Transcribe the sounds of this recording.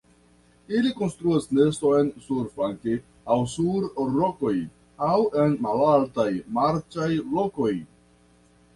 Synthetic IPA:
iliko̞nst̪ɾuasne̞stoensuɾfaŋke | awsuɾɾoko̞j | awe̞nmalaltajmaɾt͡ʃajlo̞ko̞j

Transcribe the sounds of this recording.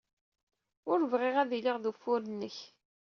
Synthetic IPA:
ʊɾvʁɪʁæðiliʁðufʊɾənːəç

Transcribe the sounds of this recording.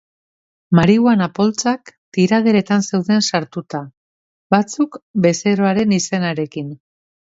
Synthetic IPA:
maɾiɣwanapo̞lt͡sakt̪iɾað̞eɾe̞t̪anse̞wðe̞nsaɾt̪ut̪a | bat͡sukbe̞se̞ɾo̞aɾe̞nise̞naɾe̞kin

